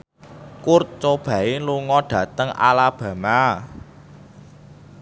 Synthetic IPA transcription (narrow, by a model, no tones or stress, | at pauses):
kurt͡ʃob̥ä̤eluŋɔɖ̥ä̤t̪əŋʔa̰lab̥ä̤ma